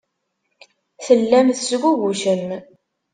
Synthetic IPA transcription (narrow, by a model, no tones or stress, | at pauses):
θəlːæmθəsɡʷuɣuʃəm